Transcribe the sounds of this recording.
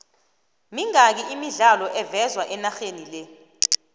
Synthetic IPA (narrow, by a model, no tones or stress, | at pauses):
miŋak̬iʔimiɮalɔʔɛvɛzwaʔɛnaxenilɛ